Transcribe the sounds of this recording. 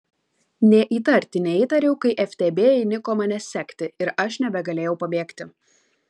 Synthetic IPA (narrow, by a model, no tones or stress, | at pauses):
nʲɛʔiːt̪ɐɾʲt̪ʲɪnʲɛiːt̪ɐɾʲɛʊkɐɪʔɛfʲt̪ʲeːbʲeːjɛɪnʲɪkoːmɑnʲɛsʲɛkʲt̪ʲɪɪɾɐʃnʲɛbʲɛɡɐlʲeːjɛʊpɐbʲeːkt̪ʲɪ